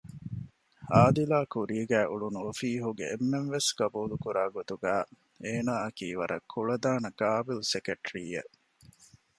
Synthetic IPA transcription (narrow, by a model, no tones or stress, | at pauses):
aːd̪ilaːkuɾiːɡæːʔuɭunuofiːɦuɡḛʔemːenʋesɡ̥ɐbuːlukuɾaːɡot̪uɡæː | eːnaːɐkiːʋɐɾʔɐ̰kʰːuɭɐd̪aːnɐɡaːbilsekeʈɾiːḛʔ